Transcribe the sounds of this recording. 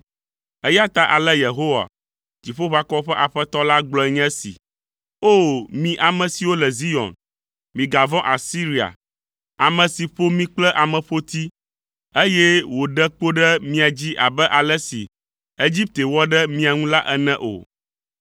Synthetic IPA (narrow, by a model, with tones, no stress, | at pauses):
ɛ˦ja˦t̪a˦ʔa˨lɛ˦je˨ɦo˦wa̰˨ | d͡ʑi˨ɸo˦ɸa˦kɔ˦ɸɛ˦ʔa˨ɸɛ˦t̪ɔ˦la˦ɡ͡blɔ˨˦ɛ˦ɲɛ̃˦sḭ˨ | o˦mĩ˨ʔa˨mɛ̃˨si˨wo˦lɛ˨zi˦jɔ̰̃˨n | mĩ˨ɡa˨vɔ̃˦ʔa˨si˦ɾi˨a̰˨ | a˨mɛ̃˨si˨ɸo˦mĩ˦k͡plɛ˦ʔa˨mɛ̃˨ɸo˦t̪i˦ | e˦jɛ˦wo˨ɖɛ˦k͡po˦ɖɛ˦mĩ˦a˨d͡ʑi˦ʔa̰˨bɛ˦ʔa˨lɛ˦sḭ˨ | e˦d͡ʑi˦p̚t̪e˨wɔ˦ɖɛ˦mĩ˦a˨ŋũ˦la˦ʔɛ˦nɛ̃˦ʔo̰˨